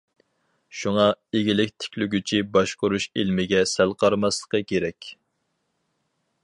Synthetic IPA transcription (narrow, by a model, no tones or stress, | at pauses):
ʃuŋɑeɡʲilɪk̚ʲt̪ʰɪ̥kʲlyɡʲyt͡ʃʰibɑʃqʊɾuʃilmɪɡʲɛsælˠqʰɑɾmɑslˠə̥qəkʲʰeɾɛkʲ